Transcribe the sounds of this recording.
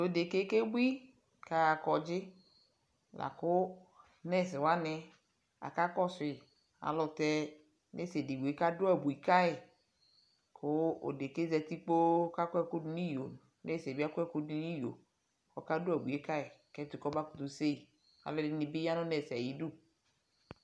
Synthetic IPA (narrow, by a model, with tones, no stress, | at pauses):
o˨de˨ke˦ke˦bʷi˦ | ka˨kɔ˨d͡ʒɪ˦ | la̰˨kʊ˦ | nɛ˦˨s̬ɪ˨wa˦nɛ˨ | a̰˨ka˦kɔ˦sʊ˨ | a̰˨lɔ˨t̪ɛ˦ | nɛ˦se˨di˨bu˨e˨ka˦dʊ˦a˨bu˨i˨ka˦ɪ˨ | kʰʊ˦o̰˨de˨ke˦zɛ˨t̪i˦k͡po˦ka˦kɛ˦ku˦du˦ni˦jo̰˨ | nɛ˦˨sbi˦a˦kɛ˦ku˦du˨ni˦jo̰˨ | kɔ˦ka˦dʊ˦a˨bu˨e˦ka˦ɪ˨kɛ˦t̪ʊ˨kɔ˦ba˦kʊ̥˨t̪u˨se˦i˨ | a̰˨lɔ˦dɪ˨˦nɪ˨bɪ˦ja˦nʊ˦nɛ˨si˨a˨ji˨du˦